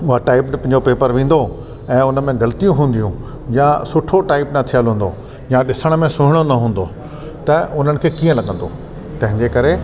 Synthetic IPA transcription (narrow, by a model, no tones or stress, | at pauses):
ʊɦaʈaːɪppɐ̃ɦɪɲd͡ʑopeːpəɾʋĩːn̆d̪o | ɛ̃ːʊnə̆mẽɡɐlət̪ijũɦũːn̆d̪ijũ | jasʊʈʰoʈaːɪpnɐt̪ʰijalɦũːn̆d̪o | jaɗɪsəɽ̃mẽsʊɦɪɽ̃onɐɦũːn̆d̪o | t̪ɐʔʊn̤ənɪ̆kʰeːkiːə̃lɐɠə̃nd̪o | t̪ɐ̃ɦɪ̃ɲd͡ʑekɐɾe